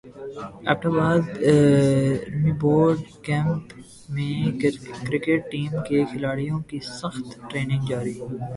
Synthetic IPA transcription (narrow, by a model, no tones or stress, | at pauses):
ɛ̰ːp̚ʈabaːd̪ | miːboːɾɾɖkɛ̃ːmp | mẽkɾɪkeʈ̚ːiːmkexʰɪlaːɽijõkisɐxt̪ʈɾeːnɪ̃ŋɡd͡ʒaːɾiː